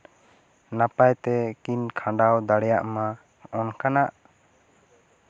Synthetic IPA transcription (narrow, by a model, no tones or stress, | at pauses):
napajt̪ɛkinkʰãɖawd̪aɽɛjaʔma | ɔnkanaʔ